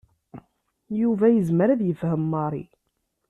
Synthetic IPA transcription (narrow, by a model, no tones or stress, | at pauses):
juvæjəzməɾæðjəfhəmːɑɾˤḭ